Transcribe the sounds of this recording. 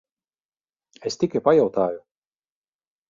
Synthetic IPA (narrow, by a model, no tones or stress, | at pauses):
est̪ʲikajpajawt̪aːju